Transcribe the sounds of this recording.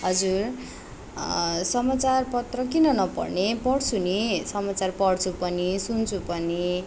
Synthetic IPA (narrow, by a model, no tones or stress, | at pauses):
ɦʌd͡zur | sʌmat͡sarpʌt̪rʌkinʌnʌpʌ̰rnepʌɽt͡sʰunisʌmat͡sarpʌɽt͡sʰupʌnisunt͡sʰupʌni